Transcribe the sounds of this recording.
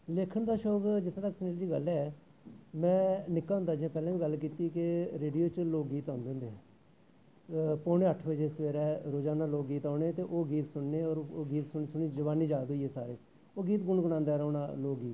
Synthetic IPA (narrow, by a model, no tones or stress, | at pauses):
leːkʰəɳd̪aːʃoːkd͡ʒɪt̪ʰːt̪əkːsneːld͡ʒiːɡəlɛː | mɛ̃ːnɪkːaːɦʊnd̪aːd͡ʒiãpɛːlãːʋiːɡəlkiːt̪iːkɪɾeːɖijoːt͡ʃloːkɡiːt̪ãːnd̪eːnd̪eː | poːneːəʈʰʋəd͡ʒeːsʋeːɾɛːɾoːd͡ʒaːnaːloːkɡiːt̪ãːneːt̪eːʔoːɡiːt̪sʊɳneːɔːɾoːɡiːt̪sʊɳisʊɳiːd͡ʒəʋaːniːd͡ʒaːd̪iːɛːsaːɾeː | oːɡiːt̪ɡʊɳɡʊɽaːnd̪aːɾɔːna̰ːloːkɡiːt̪